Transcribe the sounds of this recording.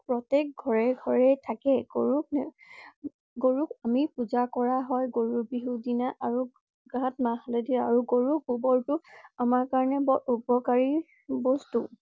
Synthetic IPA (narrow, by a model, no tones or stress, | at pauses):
pɹɔtek̚ɡʱɔɹɛɡʱɔɹɛtʰakɛɡoɹuk̚n | ɡoɹukamipuzakɔɹaɦɔjɡoɹubiɦudinaʔaɹu | ɡãtmaxalediaɹuɡoɹuk̚bubɔɹtʊamaɹkaɹɔnɛbɔupɔkaɹi | bɔstu